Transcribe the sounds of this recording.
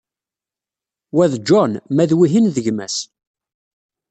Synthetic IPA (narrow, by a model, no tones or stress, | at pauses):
wæðd͡ʒɔnmæðwiɦinðəʝmæ̰s